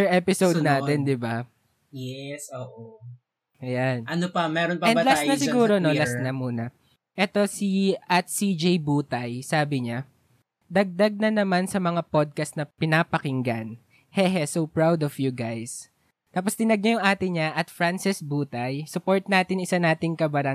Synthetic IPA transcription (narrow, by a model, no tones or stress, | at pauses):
ɛɹʔɛpɪsowd̪naːt̪ɛnd̪ɪba | jɛsoʔo | ʔɐjanʔɐnopɐmɛɾonpɐɛnlasnɐsɪɡuːɾonolasnɐmuːnɐ | ʔɛt̪o̞siʔɐt̪sid͡ʒejbuːt̪ɐjsaːbɪɲa | d̪ɐɡ̚d̪ɐɡ̚nɐnɐmansɐmɐŋapod̪̚kɐst̪nɐpɪnaːpɐkɪŋɡan | hɛɦɛsopɹawd̪ɔfjuɡajs | t̪aːpost̪ɪnɐɡ̚ɲajʊŋʔaːt̪ɪɲaʔɐt̪fɾansɪsbuːt̪ɐjsʊpo̞ɹt̪̚naːt̪ɪnɪsanaːt̪ɪŋkɐbɐɾɐŋ